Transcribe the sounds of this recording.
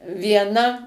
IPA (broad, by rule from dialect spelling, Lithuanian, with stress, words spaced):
ʋʲiɛˈnɐ